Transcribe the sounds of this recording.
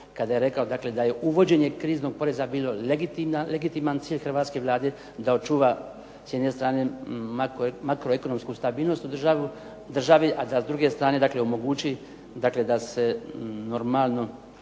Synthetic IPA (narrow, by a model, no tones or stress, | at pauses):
kad̪ajeɾe̞kao̞d̪akle̞d̪aje̞uʋo̞d͡ʑe̞ɲe̞kɾiːzno̞ɡ̚po̞ɾe̞zabiːlo̞leɡit̪imnaleɡit̪imant̪siːʎʲxrʋaːt̪ske̞ʋlˠaːd̪e̞ | d̪ao̞t͡ʃuːʋa | sje̞d̪ne̞st̪ɾaːne̞makmakɾoeko̞no̞mskust̪abiːlˠno̞st̪ud̪r̩ʒaʋu | d̪r̩ʒaʋiʔad̪asd̪ɾuɡe̞st̪ɾaːne̞d̪akleo̞mo̞ɡuːt͡ɕi | d̪akle̞d̪ase̞no̞ɾmalˠno̞